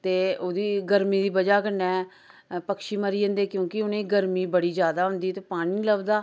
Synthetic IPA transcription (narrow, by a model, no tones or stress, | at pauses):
t̪eːoːd̪iːɡəɾmiːd̪iːbəd͡ʒaːkənɛː | pəkʃiːməɾiːə̃ːnd̪eːkjõːkɪʊnẽːɡəɾmiːbəɽiːd͡ʒjaːd̪aːɦʊ̃nd̪iːt̪eːpaːɽ̃iːləbd̪aː